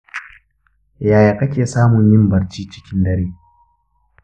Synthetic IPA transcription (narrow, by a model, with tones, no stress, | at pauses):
jaː˨jaː˨kɐ˦kʲeː˨saː˦mʊ˨ɲjɪ˦mbɐ˨ɽt͡ʃiː˦t͡ʃɪ˦kʲɪ˦ndɐ˦ɾeː˦